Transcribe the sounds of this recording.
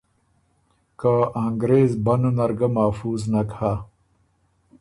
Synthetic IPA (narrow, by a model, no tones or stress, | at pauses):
kaaːŋɡɾeːzbɐnonɐɾɡɐmaːfuːznɐkaː